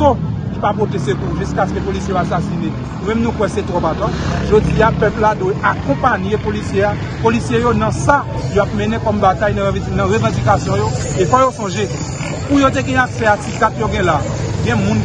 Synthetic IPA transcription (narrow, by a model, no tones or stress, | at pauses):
olipapot̪esekuʒyskaskøpolisjejoasasine | numɛ̃mnũkwɛset̪ʁɔpat̪ɔ̃ʒod͡ziapɛpladwɛʔakɔ̃paɲjepolisjea | polisjejonɐ̃sa | joap̚mɛ̃nɛ̃kɔmbatajnɐ̃nɐ̃ʁøvɑ̃d͡zikasjɔ̃joefɔjosɔ̃ʒe | pujot̬eɡɛ̃aksɛasikatjoɡɛ̃laɡɛ̃mũn